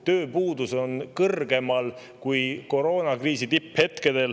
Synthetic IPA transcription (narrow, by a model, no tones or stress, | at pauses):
t̪ø̞ːpuːd̪̥uso̞nkɤrɡ̥e̞mɑl | kujko̞ɾo̞ːnɑkriːsit̪iphe̞t̪ke̞d̪̥e̞l